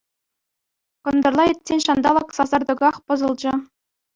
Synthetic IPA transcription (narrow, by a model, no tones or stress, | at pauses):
kɤ̆nd̪ɤ̆rlˠɑĕt̪ʲsʲenʲɕɑnd̪ɑlˠɤ̆ksɑzɑrd̪ɤ̆ɡɑχpɤ̆zɤ̆lˠd͡ʑɤ̆